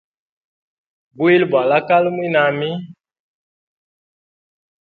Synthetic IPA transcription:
bu˦i˦lba˨la˦ka˦lmwi˦na˨mi˦

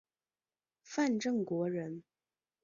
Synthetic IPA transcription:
fa˥˧nʈ͡ʂɤ˥˩ŋkwɔ˧˥ɻə˧˥n

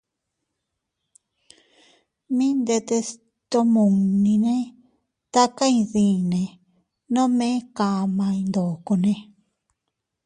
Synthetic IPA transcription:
mĩ˦nd̪e˧t̪e˧s | t̪o˧mũ˨nĩ˧nẽ˦ | t̪a˦kã˦ĩ˧ðĩ˧˨nẽ˨ | nõ˦mẽ˦ka˧mã˧ĩ˧nd̪o˨ko˧nẽ˧

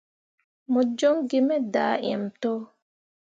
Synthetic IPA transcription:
mɔ˨d͡ʒɔ˦ŋɡe˦mɛ˦daː˨˦ʔɛ̰˨mtɔ˦

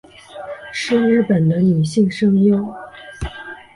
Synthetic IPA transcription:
ʂ̩˥˧ɻɻ̩˥˩pə˨˩nd̪ə˦ny˨˩ɕi˥˧ŋʂɤ˥ŋjo˥ʊ

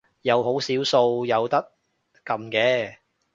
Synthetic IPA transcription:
jɐ˨˧wɦo˨˥wsiː˨˥wso˧wjɐ˨˧wt̪ɐ˥k̚ː | ɐ˨mkɛː˨˥

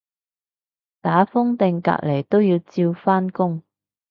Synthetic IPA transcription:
t̪aː˨˥fʊ˥ŋt̪ɪ˨˧ŋka̰ː˧k̚le˨˩jt̪o˥wjiː˧wt͡siː˧wfaː˥nkʊ˥ŋ

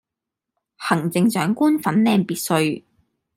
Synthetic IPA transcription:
hɐ˨˩ŋt͡sɪ˨ŋt͡ʃœː˨˥ŋkuː˥nfɐ˨˥nlɛː˧ŋpiː˧t̚sɵ˧ɥ

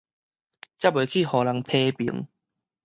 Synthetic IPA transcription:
t͡ɕja˥˩we˨˦kʰi˥˨hɔ˨˩la˨˦ŋpʰe˧pḭ˨˦ŋ

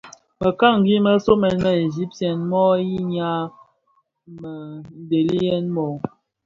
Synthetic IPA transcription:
mə˨ka˦˨ŋ̩˨ɡi˦mə˦so˦mɛ˨nmə˨e˨zi˦p̚tjɛ˨nmɔ˦ji˦ɲa˦ | mə˨n̩˨de˨li˦jɛ˦nmɔ˨

